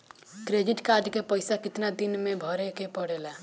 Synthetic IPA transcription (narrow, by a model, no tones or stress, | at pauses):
kɾed͡ʒiʈkaɾɖkepəjsakɪt̪nad̪inmebʱəɾɛkepəɽela